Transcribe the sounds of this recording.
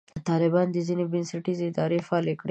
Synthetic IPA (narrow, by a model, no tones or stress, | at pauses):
t̪ɑlɪbɑnd̪əzinebɪnsaʈizeɪd̪ɑɾefaːlekɽe